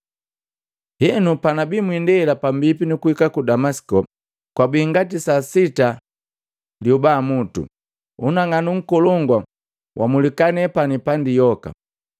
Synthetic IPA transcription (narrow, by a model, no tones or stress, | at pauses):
hɛnupanabimwindɛlapambipinukuhikakudamasi̥kɔ | kwabiŋɡatisasita | ljɔbaːmutṵ | unaŋanuŋ̩kɔlɔŋɡwa | wʔamulikanɛpanipandijɔka̰